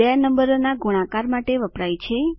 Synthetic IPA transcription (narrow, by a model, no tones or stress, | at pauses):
ɛnəmbəɾonaɡuɽ̃ãkaɾmaʈeʋəpɾajt͡ʃʰe